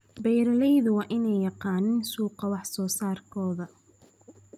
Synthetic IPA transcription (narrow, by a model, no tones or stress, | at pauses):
bɛjɾɐlɛjðʊwɑːʔɪnɛjːɑqɑːnɪnsuːqɑwɑħsɔːsaːrkʰɔːðɐ